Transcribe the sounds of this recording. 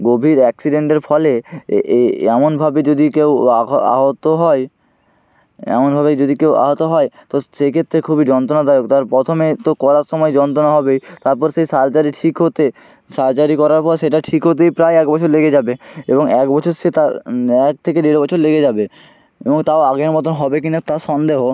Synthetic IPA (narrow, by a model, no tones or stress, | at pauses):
ɡobʱiɾɛksiɖeɳʈeɾfʰɔle | ɛmonbʱabed͡ʑod̪ʱikewaa̰ɦot̪oɦɔe | ɛ̰monbʱabed͡ʑod̪ʱikewa̰ɦot̪oɦɔet̪oʃekʰet̪ːɾekʰubid͡ʑɔnt̪̬onad̪ajokt̪aɾpɾɔt̪ʰomet̪okɔɾaɾʃɔmɔed͡ʑɔnt̪ɾonaɦɔbejt̪aɾpɔɾʃejsaɾt͡ɕaɾiʈʰikɦot̪e | saɾt͡ɕaɾikɔɾaɾpɔɾeʃeʈaʈʰikɦot̪̬ejpɾajɛk̚bɔt͡ɕʰoɾleɡed͡ʑabeeboŋɛk̚bɔt͡ɕʰoɾʃet̪aɾɛk̚t̪ʰekeɖeɾbɔt͡ɕʰoɾleɡed͡ʑabe | eboŋt̪aoaɡeɾmɔt̪onɦɔbek̬inat̪aʃɔnd̪eɦo